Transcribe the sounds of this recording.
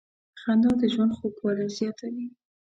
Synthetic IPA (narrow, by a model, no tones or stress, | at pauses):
xand̪ɑd̪əʒwand̪xokwɑlazjɑt̪awi